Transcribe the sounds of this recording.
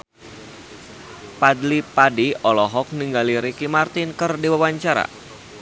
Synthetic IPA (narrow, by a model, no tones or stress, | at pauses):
padlipadiɔlɔɦɔk̚niŋɡaliɾikimart̪ɪnkɨrdiwawaɲt͡ʃaɾa̰